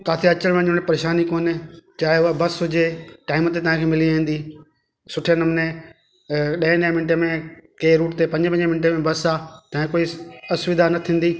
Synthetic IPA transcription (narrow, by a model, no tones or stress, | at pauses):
kaːfʰɪɐt͡ɕəɽ̃ʋə̃ɲʊnepɐɾeːʃaːnikoːnɪt͡ɕaːɦeʊabɐsʊd͡ʑeʈaːɪmət̪et̪ɐɦãkʰeːmɪliãĩn̆d̪iː | sʊʈʰenɐmne | ɗɐ̃ɦɪ̃ɗ̃mɪnʈəmẽkeːɾuːʈɪt̪epɐ̃ɲd͡ʑpɐ̃ɲd͡ʑmɪnʈemẽbɐsat̪ɐɦkoːiɐsʋɪd̪anɐt̪ʰĩːn̆d̪iː